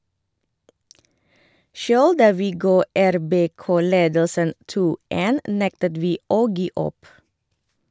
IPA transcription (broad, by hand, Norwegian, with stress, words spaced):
ˈʃøːɽ ˈdɑː ˈʋiː ˈɡɑː ˌæɾˌbeːˈkoː ˈleːdəlsən ˈtuː ˈtɪl ˈeːn ˈnɛktəd ˈʋiː ˈoː ˈɡiː ˈɔp